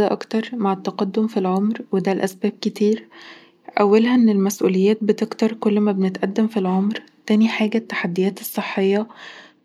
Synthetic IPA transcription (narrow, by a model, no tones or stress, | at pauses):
æʔɑ̰kt̪ɑɾˤmaʕet̪ːɑqɑd̪ːomfilʕomɾwed̪ælʔæ̰sbæːb̚ket̪iːɾ | ʔæwːælhæʔenːelmæsʔṵːlejːæːt̪̚bet̪eɡt̪ɑɾˤkolːmæbenet̪ʔæd̪ːæmfilʕomɾ | t̪æːniħaːɡæt̪ːḁħad̪ːejæːt̪esˤːeħːejːɑ